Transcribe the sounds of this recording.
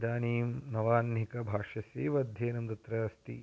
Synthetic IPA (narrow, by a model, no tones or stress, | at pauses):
d̪aːniːmnɐʋaːnɦikɐbʱaːʂɐseːʋɐd̪ʱjeːnɐmt̪ɐt̪ɾɐst̪ḭ